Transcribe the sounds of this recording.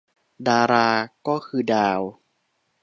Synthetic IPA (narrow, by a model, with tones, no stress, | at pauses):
daː˧ɾaː˧kɔː˥˩kʰɯː˧daː˧w